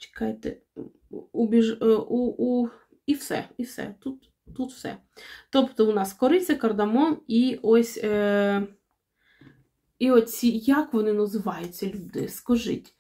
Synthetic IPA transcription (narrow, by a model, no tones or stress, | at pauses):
t͡ʃe̥kɑjet̪ɛ̰ | ubʲiʒuu | iwsɛ̰iwsɛ̰t̪ut̪ː | ut̪w̥sɛ̰ | t̪opt̪ɔʊnɑskɔɾɪt͡sʲɐkɐrd̪ɐmɔniɔsʲ | iɔtʲt͡sʲijakʋɔnɪnɐzɪʋɑjʊt͡sʲːɐlʲud̪ɪ̰skɔʒɪ̰tʲ